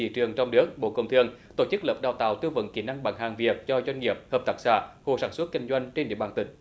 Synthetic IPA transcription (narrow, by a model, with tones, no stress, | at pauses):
ḭ˧˩t͡ɕɨ˨˩əŋt͡ɕɔ˧wŋ͡mnɨ˦˥ək̚ɓo̰˧˨kə˧˩wŋ͡mt̪ʰɨ˧əŋt̪o˧˩t͡ɕɨ˦˥k̚ləː˨˩p̚ɗaː˨˩wt̪a̰ː˧˨wt̪ɨ˧və̰˧˥nki˧˩na˧ŋɓa̰ː˧˩ŋhaː˨˩ŋvi˨˩əp̚zɔ˧zwa˧jŋ̟ŋi˨˩əp̚həː˨˩p̚t̪a˦˥k̚sa̰ː˧˥ho̰˧˩saː˧˩nswə˦˥t̚ki˧ŋ̟zwa˧jŋ̟t͡ɕe˧nɗḭ˧˨əɓaː˧nt̪ï˧˩ŋ̟